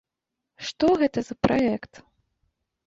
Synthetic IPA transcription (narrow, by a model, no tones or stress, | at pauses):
ʂt̪ɔɣɛt̪ɐzɐpɾaɛkt̪